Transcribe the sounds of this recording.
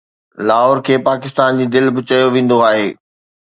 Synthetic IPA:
laːɦoːɾkʰeːpaːkɪst̪aːnd͡ʑiːd̪ɪlbɪt͡ɕɐjoʋẽːn̆d̪oaːɦeː

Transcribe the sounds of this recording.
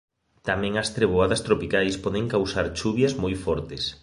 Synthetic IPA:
t̪amɛ̃ŋɐst̪ɾeβ̞oaðɐst̪ɾopikajspɔðɪŋkawsaɾt͡ʃuβjɐzmojfɔɾt̪ɪs

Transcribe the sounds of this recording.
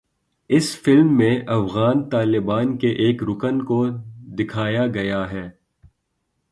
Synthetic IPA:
ɪsfɪlmːẽʔɐfɣaːnt̪aːlɪbaːnkeʔeːkɾʊkənkod̪ɪkʰaːjaɡɐjaɦɛː

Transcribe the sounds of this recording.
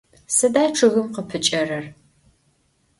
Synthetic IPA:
sɐdaːʈ͡ʂʰɨɣɨmqəpʰɨt͡ʃʼɐrɐr

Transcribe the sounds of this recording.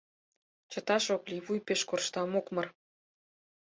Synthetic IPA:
t͡ɕə̆t̪ɑʃoklʲiβujpeʃkorʃt̪ɑmokmɤr

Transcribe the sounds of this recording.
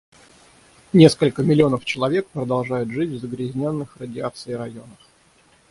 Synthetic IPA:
nʲe̞skəlʲkəmʲɪlʲɪo̞nəft͡ɕɪlˠɐvʲek̚pɾəd̪ɐlˠʐajʊt̪ʐɨtʲvzəɡɾʲɪzʲnʲo̞nːɨxrədʲɪat̪sɨɪɾɐjo̞nəf

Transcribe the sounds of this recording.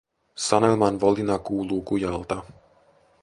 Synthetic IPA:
sɑnelmɑnʋolinɑkuːluːkujɑlt̪ɑ

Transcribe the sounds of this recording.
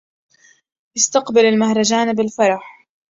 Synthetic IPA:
ʔɪst̪ɑqbalalmahɾˤɑd͡ʒaːnbɪlfɑɾˤɑħ

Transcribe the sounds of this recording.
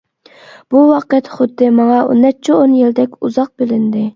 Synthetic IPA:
b̥uwɑqt̪χʊd̪ːɪmɑŋɑṵnːɛt͡ʃʰionjild̪ɛkʲuzɑq̚bɪlɪnd̪ɪ

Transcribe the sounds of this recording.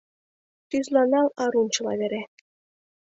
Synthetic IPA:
t̪yzlɑnɑlɑɾunt͡ɕɤ̆lɑ̰βeɾæ

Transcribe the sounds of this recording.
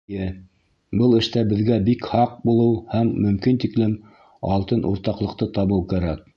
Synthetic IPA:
ɘ | bɤlˠɘ̆ʃt̪æbɘ̆ðɡæbikhɑq̚bulˠɤwhæmːɵ̆mkint̪iklɘm | ɑ̰lˠt̪ɤnʔṵɾt̪ɑqlˠɤ̆qt̪ɤt̪ɑβɤwˠkæɾæk̚

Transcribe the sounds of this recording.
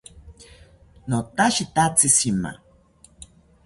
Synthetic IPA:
not̪aʃit̪at͡sisima̰

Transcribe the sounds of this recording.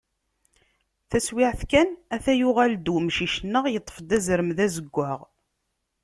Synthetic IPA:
θæswɪʕθkænæθæjʊʁæld̪umʃiʃnːəʁjət̪ˤːə̥fd̪æzɾəmðæzəɡʷːəʁ

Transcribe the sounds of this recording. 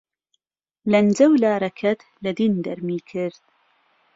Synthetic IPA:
lɐnd͡zɐwlaːɾɐkʰɐt̪ | lɐd̪iːnd̪ɐɾmiːkʰɪɾd̪̥̚

